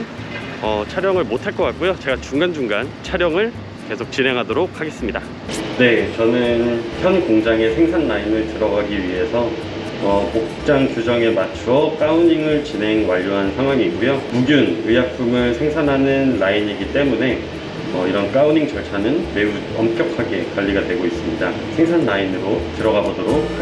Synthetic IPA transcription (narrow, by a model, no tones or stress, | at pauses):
ʌt͡ɕʰaɾjʌŋɯɭmotʰaɭk͈ʌk͈ak̚k͈ujot͡ɕe̞ɡat͡ɕuŋɡand͡ʑuŋɡant͡ɕʰaɾjʌŋɯɭ | ke̞sʰok̚t͡ɕ͈inɦe̞ŋɦadoɾok̚ʰhaɡe̞s͈ɯmɲida | ne̞t͡ɕʌnɯnçjʌnkoŋd͡ʑaŋe̞sʰe̞ŋsʰanːainɯɭtɯɾʌɡaɡiɥiɦe̞sʰʌː | kok̚uk̚t͡ɕ͈aŋt͡ɕud͡ʑʌŋe̞mat͡ɕʰuʌk͈auɲiŋɯɭt͡ɕinɦe̞ŋwaʎːoɦansʰaŋɦwaŋiːɡujomuɡjunɯjak̚p͈ʰumɯɭsʰe̞ŋsʰanɦanɯnlaiɲiɡit͈e̞mune̞ | ʌiɾʌnk͈auɲiŋt͡ɕʌɭt͡ɕʰanɯnme̞u | ʌmk͈jʌkʰaɡe̞kwaʎːiɡadwe̞ɡois͈ɯmɲida̰ | sʰe̞ŋsʰanːainɯɾotɯɾʌɡabodoɾok̚